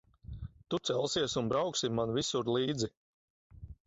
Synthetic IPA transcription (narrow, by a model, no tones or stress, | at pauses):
t̪ut̪sɛlˠsiɛsunbɾawksimanvisuɾlˠiːd̪zi